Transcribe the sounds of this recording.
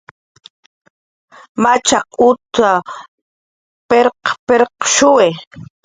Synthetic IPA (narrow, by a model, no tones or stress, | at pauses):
mat͡ʃɑqʊt̪a | peɾqpeɾqʃʊwe